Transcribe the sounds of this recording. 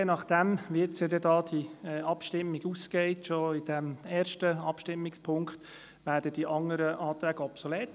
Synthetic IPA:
jenɑχd̥æmʋiet͡sjɛd̪ɛdɑːd̥iɛɑpʃtɪmːɪɡuːskɛɪtʃoid̥æmɛːɾʃtəɑpʃtɪmːɪkspʰʊŋkχt̪ | ʋæːɾd̥əd̥iʔɑŋəɾəʔɑːt̪ɾæːɡ̥əɔpsɔleːt

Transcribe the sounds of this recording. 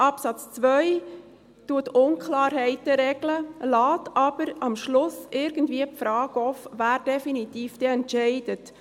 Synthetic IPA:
ʔɑpsɑt͡st͡sʋœʏ | tuətʊnkʰlɑːɾhɛɪtəɾɛɡləlɑːtʰɑb̥əɾɑmʃlʊsɪɾɡ̥ən̩tdviːəpfɾɑːɡɔfvæːɾd̥ɛfinitiːfd̥eɛntʃɛɪd̥ət

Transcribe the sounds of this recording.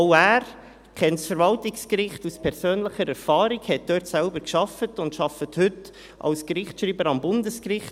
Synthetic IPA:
ʊæːɾ | kʰɛntsfəɾvɑltɪkskɾɪχtuspʰɛɾsøːnləχəɾɛɾfɑːɾikhɛt̚d̥øːtsælbəɾkʃɑfətʊntʃɑfəthʏt | ʔɑ̰lskɾɪχtʃɾiːbəɾɑmbʊndəskɾɪχt

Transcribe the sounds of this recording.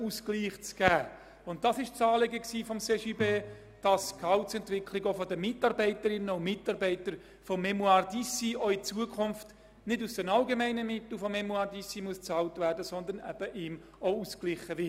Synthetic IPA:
uskliːχt͡sɡ̥æː | ʊnt̚d̥ɑsɪʃt͡sɑːleɡəksiːfɔmseʃibeː | d̥ɑskʰɑʊt͡sɛntʋɪkʰlɪɡofɔdəmɪtɑɾbɛɪtəɾɪnəʊmɪtɑɾbɛɪtəɾ | fɔmːɛmuɑɾdisioɪt͡suəkʰχʊnft | nɪdusd̥ɛnɑlɡemɛɪnəmɪt̪l̩ˠfɔmɛmuɑɾdisimuəst͡sɑːltvæːrdəsɔnd̪əɾnɛ̰b̥əʔɪm | ousklɪχəʋɪ

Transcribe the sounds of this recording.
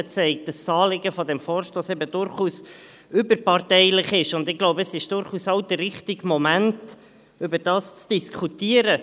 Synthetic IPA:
ət͡sɛɪk̚dəsɑːlɪɡəfɔdɛmfɔːɾʃtoːsɛbədʊɾχuːs | ʏbəɾpɑrtɛɪlɪχɪʃʊndɪɡ̥loʊbəəsɪʃd̥ʊɾχuːsɑwd̥̪ərːɪχtɪɡmɔmænt | ʏbəɾd̥ɑːst͡sd̥iskʰutiəɾə

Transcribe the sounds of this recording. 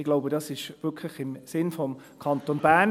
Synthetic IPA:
ɪɡlaʊbədɑsɪʃvɪɐkʰləχɪmsɪnfɔm | kʰɑntonbæn

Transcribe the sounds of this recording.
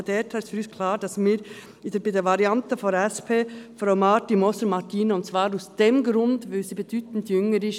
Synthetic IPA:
dɛːtʰastfyɾyːskʰlɑːɾd̥ɑsmiːɾ | ɪdəbidəvɑɾiɑntəfɔnɛspʰeːfɾaʊmɑtimɔsəɾmɑtiːnəʊntt͡svɑːɾasd̥emɡɾʊndʋoːsiːbɛd̥yːtn̩djʏŋəɾɪʃ

